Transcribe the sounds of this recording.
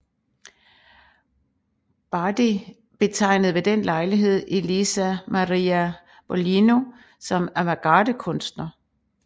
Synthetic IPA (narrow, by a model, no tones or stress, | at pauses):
b̥ɑd̥i | b̥e̝t͡sʰɑ̈ɪ̰nəð̩ˠʋe̝d̥enlɑ̈ɪliɦe̝ð̞̰ˠelisæmɑʁiæ | b̥ɒlino̝ | sɒ̽mæʋæɡ̥ɑːd̥əkʰɔ̽nsd̥nɐ